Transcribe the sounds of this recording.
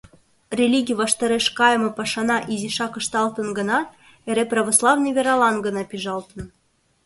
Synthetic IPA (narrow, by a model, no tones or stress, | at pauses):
rʲelʲiɡʲijvɑʃt̪ɑɾeʃkɑjəmɤ̆pɑʃɑnɑʔizʲiʃɑkə̆ʃt̪ɑlt̪ə̆nɡɤ̆nɑ | eɾeprəβoslˠɑvnɤ̆jvʲeɾɑlɑnɡə̆nɑpʲiʒɑlt̪ə̆n